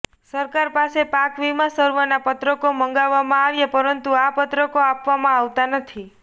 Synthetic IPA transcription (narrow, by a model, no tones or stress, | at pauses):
səɾkaɾpasepakʋimãsəɾʋənapət̪ɾəkoməŋɡaʋːamãaʋjepəɾənt̪uapət̪ɾəkoapʋamãaʋt̪anət̪ʰi